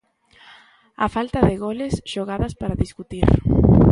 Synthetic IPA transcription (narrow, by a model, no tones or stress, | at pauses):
a̰falt̪ɐðɪɣolesʃoɣaðaspaɾaðiskut̪iɾ